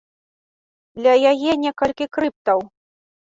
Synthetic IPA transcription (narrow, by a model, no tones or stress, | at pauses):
d̪lʲɐjajɛnʲɛkɐlʲkʲikɾɨp̚t̪ɐw